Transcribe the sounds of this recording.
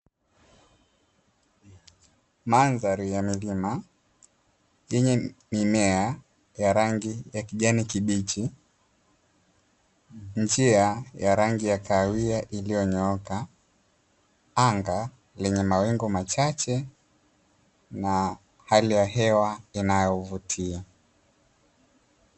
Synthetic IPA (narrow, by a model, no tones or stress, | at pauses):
manzaɾijamilima | jɛɲɛmimɛa | jaɾaŋɡijakiʄanikiɓit͡ʃi | nd͡ʒiajaɾaŋɡijakaːwiaʔilijɔɲɔɔka | aŋɡa | lɛɲɛmawɛŋɡɔmat͡ʃat͡ʃɛ | na | halijaɦɛwainajɔvutʰia